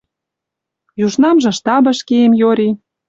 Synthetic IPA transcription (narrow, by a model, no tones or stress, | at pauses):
juʃnɑmʒɤ̆ʃt̪ɑbə̆ʃkeemjoɾʲi